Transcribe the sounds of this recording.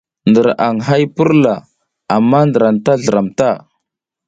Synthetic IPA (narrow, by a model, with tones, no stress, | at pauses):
ndə˨ɾa˨ŋɦa˦jpə˦ɾla˨ | a˨mːa˦ndə˨ɾa˨nta˦ɮə˨ɾa˨mta˦˨